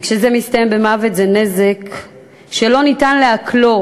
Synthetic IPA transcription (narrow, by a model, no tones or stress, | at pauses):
kʃezemist̪ɐjembemavet̪zene̞zek | ʃelo̞nitanleaklo̞